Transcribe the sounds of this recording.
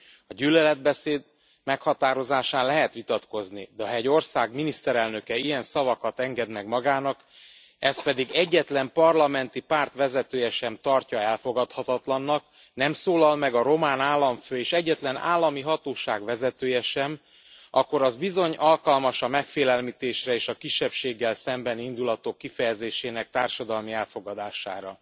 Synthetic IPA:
ɒɟylːɛlɛd̪̚bɛseːd̪ | mɛkhɒt̪aːɾo̞zaːʃaːnlɛɦɛt̪ʋit̪ɒt̪ko̞znid̪ɛɒɦɛɟo̞rsaːɡminist̪ɛɾɛlnø̞kɛijɛnsɒvɒkɒt̪ɛŋɡɛd̪mɛɡmɒɡaːnɒk | ɛs̚pɛd̪iɡɛɟːɛt̪lɛmpɒrlɒmɛnt̪ipaːrt̪ʋɛzɛt̪øːjɛʃɛmt̪ɒrcɒɛlfo̞ɡɒt̪hɒt̪ɒt̪lɒnːɒk | nɛmsoːlɒlmɛɡɒɾo̞maːnaːlːɒɱføːeːʃɛɟːɛt̪lɛna̰ːlːɒmiɦɒt̪oːʃaːɡʋɛzɛt̪øːjɛʃɛm | ɒkːo̞ɾɒzbizo̞ɲɒlkɒlmɒʃɒmɛkfeːlɛlmit̪eːʃrɛeːʃɒkiʃːɛpʃeːɡːɛlsɛmbɛnind̪ulɒt̪okːifɛjɛzeːʃeːnɛk̚t̪aːrʃɒd̪ɒlmiɛlfo̞ɡɒd̪aːʃa̰ːɾɒ̰

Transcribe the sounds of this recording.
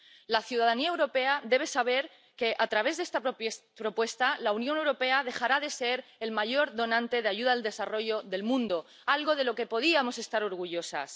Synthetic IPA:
laθjuð̞að̞aniaewɾo̞pe̞aðe̞β̞e̞saβ̞e̞ɾ | ke̞ʔat̪ɾaβ̞e̞zðest̪a | pɾo̞pwe̞st̪alaunjone̞wɾo̞pe̞að̞e̞xaɾað̞e̞seɾe̞lmaʝo̞ɾðo̞nãnt̪e̞ðeaʝuð̞aðeld̪e̞saro̞ʝo̞ðe̞lmũnd̪o̞ | alɣo̞ð̞e̞lo̞ke̞po̞ð̞iamo̞sest̪aɾo̞ɾɣ̞uʝo̞sa̰s

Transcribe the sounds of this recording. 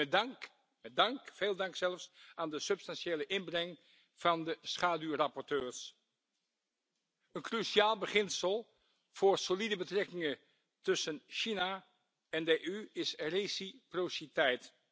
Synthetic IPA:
dŋk | mɛdɑŋkv̥eːlˠdɑŋksɛləfsaːndəsɵpstɑnʃeːləʔɪnbrɛŋ | v̥ɑndəsχaːdyrɑpɔɹtøːɹs | ənkryʃiaːlˠbəχɪnsəlˠ | v̥ʊːɹsolidəbətrɛkɪŋə | tɵsənʃina | ɛndəʔyɪsrejsiprositɛjt

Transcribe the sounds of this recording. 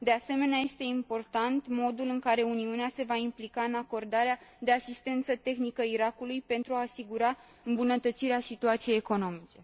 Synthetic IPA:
d̪e̞ase̞me̞neaje̞st̪e̞impo̞rt̪ant̪mo̞d̪ulɨŋkaɾe̞uniunease̞vaimplikaɨnako̞rd̪aɾead̪e̞asist̪e̞nt̪sət̪e̞xnikəiɾakulujpe̞nt̪ɾuaːsiɡuɾa | ɨmbunət̪ət̪siɾeasit̪uat̪sije̞jeko̞no̞mit͡ʃe̞

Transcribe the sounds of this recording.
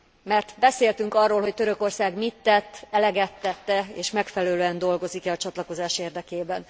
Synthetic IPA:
mɛrt̪bɛseːlt̪yŋkɒrːoːlho̞c̚t̪øɾø̞ko̞rsaːɡmit̪ːɛt̪ːɛlɛɡɛt̪ːɛt̪ːɛeːʃmɛkfɛlɛløːɛnd̪o̞lɡo̞zikɛɒt͡ʃɒt̪lɒko̞zaːʃeːrd̪ɛkeːbɛn

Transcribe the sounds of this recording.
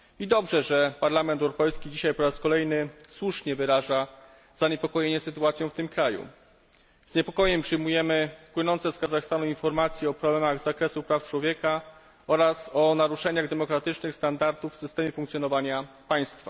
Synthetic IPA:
id̪ɔbʐɛʐɛpaɾlamɛnt̪ɛwɾɔpɛjskʲid͡ʑiɕajpɔɾaskɔlɛjnɘswuʂɲɛvɘɾaʐa | z̥aɲɛpɔkɔjeɲɛsɘt̪uat̪sʲjɔ̃w̃ft̪ɘmkɾajṵ | zɲɛpɔkɔjɛmpʂɘjmujɛmɘpwɘnɔnt̪sɛskazaxst̪anuinfɔɾmat̪sʲjɛɔpɾɔblɛmaɣzakɾɛsupɾaft͡ʂwɔvʲjɛka | ɔɾasɔnaɾuʂɛɲaɣd̪ɛmɔkɾat̪ɘt͡ʂnɘxst̪and̪aɾt̪ufːsɘst̪ɛmʲjɛfuŋkt̪sʲjɔnɔvaɲapaj̃st̪fa

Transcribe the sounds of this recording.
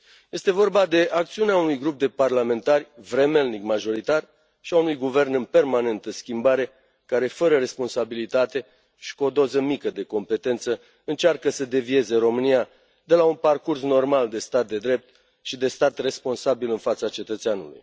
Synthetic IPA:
je̞st̪e̞vo̞rbad̪e̞ʔak̚t̪siuneaunujɡɾup̚d̪e̞parlame̞nt̪arʲvɾe̞melnikmaʒo̞ɾit̪ar | ʃiaunujɡuve̞rnɨnpe̞rmane̞nt̪əskʲimbaɾe̞ | kaɾe̞fəɾəɾe̞spo̞nsabilit̪at̪e̞ | ʃi̥kuod̪o̞zəmikəd̪e̞ko̞mpe̞t̪e̞nt̪sə | ɨnt͡ʃarkəsəd̪e̞vie̞ze̞ɾo̞mɨnija | d̪e̞launparkurs̬no̞rmald̪e̞st̪at̪̚d̪e̞d̪ɾe̞p̚t̪ | ʃid̪e̞st̪at̪re̞spo̞nsabilɨnfat̪sat͡ʃe̞t̪ət̪seanṵlṵj

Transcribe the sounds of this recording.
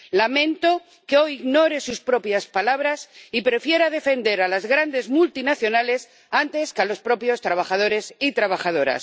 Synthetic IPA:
lamẽ̞nt̪o | keo̞jiɣno̞ɾe̞suspɾo̞pjaspalaβ̞ɾasipɾe̞fje̞ɾaðe̞fe̞nd̪e̞ɾalazɣɾand̪e̞zmult̪inaθjo̞nale̞s | ant̪e̞skalo̞spɾo̞pjo̞st̪ɾaβaxað̞o̞ɾe̞sit̪ɾaβaxað̞o̞ɾa̰s

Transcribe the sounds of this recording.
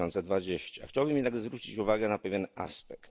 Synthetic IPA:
ɔnt̪sɛd̪vad͡ʑeɕt͡ɕa̰xt͡ɕawbɘmjɛd̪aɡzvɾut͡ɕit͡ɕuvaɡɛnapɛvʲjɛna̰spɛkt̪

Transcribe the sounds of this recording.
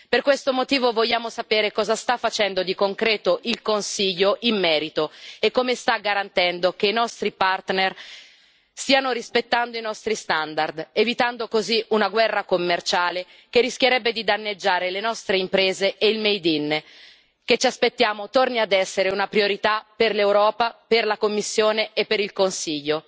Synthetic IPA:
perkwest̪omot̪iːvovoʎːaːmosapeːɾekɔːzast̪afːat͡ʃɛnd̪od̪ikoŋkɾɛːt̪oʔilkonsiʎːoʔimːɛːɾit̪oekːomest̪aɡːaɾant̪ɛnd̪okeinɔst̪ɾipart̪ner | st̪iːanoɾispet̪ːand̪oinɔst̪ɾist̪and̪ard̪evit̪and̪okoziʔunaɡwɛrːakomːert͡ʃaːle | k̟erːisk̟jeɾɛbːed̪id̪anːed͡ʒːaːɾelenɔst̪ɾeimpɾeːzeʔeilmejd̪in | ket͡ʃːaspet̪ːjaːmot̪orniad̪ɛsːeɾeunapɾioɾit̪aperlewɾɔːpaperlakomːisːjoːneepːeɾilkonsiʎːo

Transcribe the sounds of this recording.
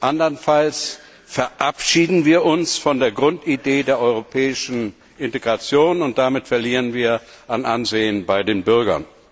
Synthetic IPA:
ʔandɐnfals | fɛɐʔapʃiːdn̩viːɐʔʊnsfɔndeːɐɡʁʊntideːdeːɐʔɔʏʁ̞opʰɛːɪʃn̩ | ʔɪnteɡʁat͡sjoːnʊnt̚d̥amɪtfɛɐliːʁənviːɐʔanʔa̰nzeːənbaɪdeːnbʏɐɡɐ̰n

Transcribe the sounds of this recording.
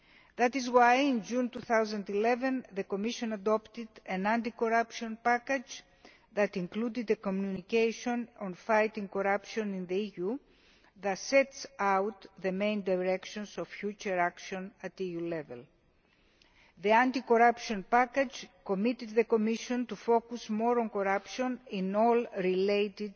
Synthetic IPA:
ðɐt̪izwajĩnd͡ʒũnt̪uθawzɐ̃nd̪ilevẽnðekomiʃõnɐd̪opt̪id̪ɐ̃nãnt̪ikoɾapʃõnpaked͡ʒ | ðɐt̪ĩŋklud̪id̪ekomjunikejʃõnõnfajt̪ĩŋkoɾapʃõnĩnðeiju | ðɐt̪set̪sawt̪ðemẽjnd̪ajɾekʃonsofçut͡ʃɐɾakʃõnɐt̪ijulevḛl | ðiãnt̪ikoɾapʃõnpaked͡ʒkomit̪id̪ðekomiʃõnt̪ufokusmoɾõnkoɾapʃõninolɾilejt̪id̪

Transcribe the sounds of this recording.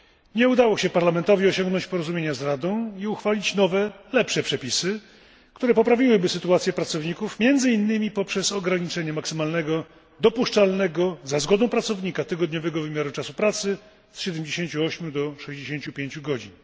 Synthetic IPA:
ɲɛud̪awɔɕɛpaɾlamɛnt̪ɔvʲiɔɕɔ̃ŋɡnɔɲt͡ɕpɔɾɔzumʲjeɲazɾad̪ɔ̃w̃iuxfalʲit͡ɕnɔvɛlɛpʂɛpʂɛpʲisɘ | kt̪uɾɛpɔpɾavʲiwɘbɘsɘt̪uat̪sʲjɛpɾat̪sɔvɲikufmʲjɛnd̪zɘinːɘmʲipɔpʂɛsɔɡɾaɲit͡ʂɛɲɛmaksɘmalnɛɡɔ | d̪ɔpuʂt͡ʂalnɛɡɔzazɡɔd̪ɔ̃w̃pɾat̪sɔvɲikat̪ɘɡɔd̪ɲɔvɛɡɔvɘmʲjaɾut͡ʂasupɾat̪sɘ | sɕɛd̪ɛmd͡ʑeɕeɲt͡ɕuɔɕmʲjud̪ɔʂɛjʑd͡ʑeɕeɲt͡ɕupʲjeɲt͡ɕuɡɔd͡ʑin

